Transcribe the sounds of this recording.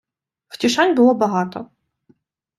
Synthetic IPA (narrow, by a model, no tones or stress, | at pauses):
wtʲiʃɑnʲbʊlˠɔbɐɦɑt̪ɔ